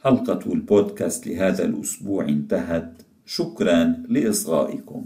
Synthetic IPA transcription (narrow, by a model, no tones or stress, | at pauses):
ħɑlqɑt̪ulboːd̪kaːst̪lɪɦaːða̰lʔʊsbuːʕʔɪnt̪aɦat̪ | ʃʊkɾˤɑnlɪʔɪsˤɣa̰ːʔɪkʊ̰m